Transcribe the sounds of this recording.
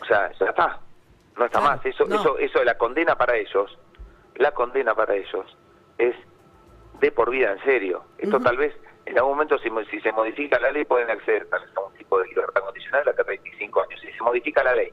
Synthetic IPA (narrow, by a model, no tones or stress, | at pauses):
osea̰ʒ̥at̪a | noest̪amasesoʔesoʔesolako̞nd̪enapaɾaeʃo̞s | lako̞nd̪enapaɾaeʒo̞s | es | d̪epo̞ɾβ̞iðaenseɾjo̞̰ḛst̪ot̪alβesenalɣumoment̪osisisemo̞ð̞ifikalalejpweðenakseðeɾt̪alβesaunt̪ipoðeliβeɾt̪akond̪isjo̞nald̪at̪at̪ɾejnt̪i̥siŋkoaɲosise̞mo̞ðifikalalej